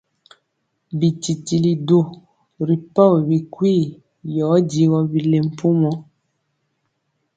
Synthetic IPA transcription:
bi˨ti˨ti˨li˨do˦˨ | ɾi˨pa˦˨wbi˨kwi˦˨ | jɔː˨˦di˨˦ɣɔ˦bi˨le˨m̩˨pu˦mɔ˨˦

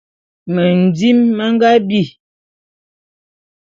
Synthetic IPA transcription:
mə˨n̩˨d͡zi˦mːə˦ŋ˦ɡa˦bi˦˨

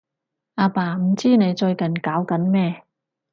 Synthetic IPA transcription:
ʔaː˧paː˧m̩˨˩t͡siː˥ne˨˧jt͡ʃɵ˧ɥkɐ˨˩nkaː˨˥wkɐ˨˥nmɛː˥

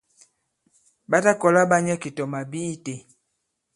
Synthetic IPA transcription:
ba˦ta˦kɔ˨la˦ba˦ɲɛ˦ki˨tɔ˨ma˨bi˦i˦te˨

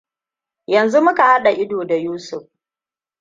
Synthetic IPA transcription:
jɐ˨nzu˦mʊ˦ka˨ha˦ɗa˨ʔɪ˦doː˨da˨juː˦sʊ˨ɸ

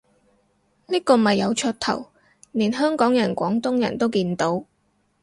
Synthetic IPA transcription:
niː˥kɔː˧mɐ˨jːɐ˨˧wt͡ʃʰœː˧t̚t̪ʰɐ̰˨˩w | niː˨˩nɦœː˥ŋkɔː˨˥ŋjɐ˨˩nkʷɔː˨˥ŋt̪ʊ˥ŋjɐ̰˨˩nt̪o˥wkiː˧nt̪o˨˥w

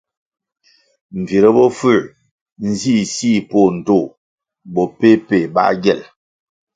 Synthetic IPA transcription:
m̩˨vi˨ɾə˦bɔ˦fʉ˦˨ | n̩˦zi˦˨si˦˨po˦˨n̩˨to˦˨ | bɔ˨pe˦pe˨ba̰˦ʔɡjɛ˦˨l

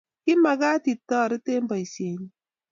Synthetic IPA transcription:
ki˦ma˨ɡa˦ti˨tːɔ˦˨ɾi˦te˦m̩˦bɔ˨i˨se˨ɲi˦

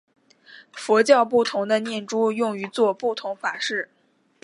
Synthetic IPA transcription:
fɔ˧˥t͡ɕjɑ˥˧ʊp̬u˥˩t̪ʰʊ˧˥ŋd̪ə˧njɛ˥˩nʈ͡ʂu˥jʊ˥˩ŋy˧˥t͡swɔ˥˧pu˥˩t̪ʰʊ˧˥ŋfa˨˩ʂɻ̩˥˩

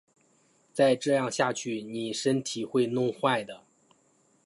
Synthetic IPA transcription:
t͡sa˥˧ɪʈ͡ʂɤ˥˧jɑ˥˧ŋɕja˥˧t͡ɕʰy˥˩ni˨˩ʂə˥nt̪ʰi˨˩xwe˥˧ɪnʊ˥˧ŋxwa˥˩ɪd̪ə˩

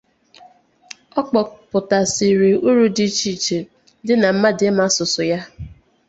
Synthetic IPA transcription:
ɔ˦k͡pɔ˨pʊ˨ta˨si˨ɾi˨u˦ɾu˦di˦t͡ʃi˦˨t͡ʃe˨ | dɪ˦na˨m̩˦ma˦dɪ˦ma˦sʊ˨sʊ˨ja˦

